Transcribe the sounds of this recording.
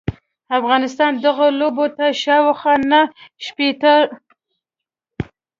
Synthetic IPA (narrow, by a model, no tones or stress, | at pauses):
afɣɑnɪst̪ɑnd̪aɣolobot̪aʃɑwaxanaʃpet̪ə